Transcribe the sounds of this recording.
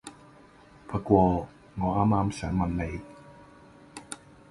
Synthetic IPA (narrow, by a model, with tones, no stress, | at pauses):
pʰa˧kwɔː˧ | ŋɔː˨˦ʔaː˧maː˧msɛ˨˦ma˧nːa˧j